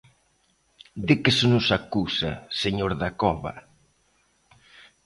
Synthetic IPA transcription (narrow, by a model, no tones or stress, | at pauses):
d̪ɪkɪsɪnʊsakusa̰seɲoɾðakɔβɐ̰